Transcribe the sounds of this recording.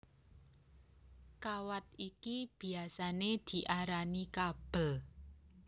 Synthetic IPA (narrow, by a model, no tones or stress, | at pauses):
kawat̪̚ikib̥i̤asaned̪̥i̤ʔaɾanikab̥əl